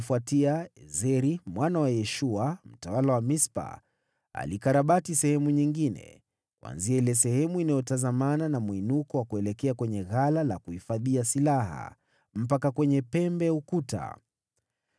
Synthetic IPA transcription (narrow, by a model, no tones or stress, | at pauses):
fuatiaɛzɛɾimwanawajɛʃuam̩tawalawamispa̰ | a̰likaɾaɓatisɛhɛmuɲiŋɡinɛ̰ | kwa̰nziailɛs̬ɛhɛmuinajɔtazamananamuinukɔwakuɛlɛkɛakwɛɲɛɣalala̰kuhifaðiasilaɦa̰ | m̩pakakwɛɲɛpɛmbɛukuta̰